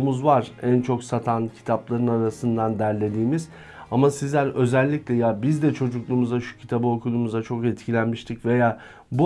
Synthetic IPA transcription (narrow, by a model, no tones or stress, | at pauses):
muzvaɾ̥ænt͡ʃʰo̞ksat̪ʰancʰi̥t̪ʰaplˠaɾɯnaɾasɯnd̪and̪æɾlʲe̞d̪iːmiz̥ | amasizlʲæɾø̞zɛlʲːiclʲɛjabizd̪ɛt͡ʃʰo̞d͡ʒuklˠuːmuzaʃu̥cʰi̥t̪ʰabɯo̞kʰulˠumuzat͡ʃʰo̞kɛt̪cʰilʲænmiʃt̪ʰicve̞jaː | bu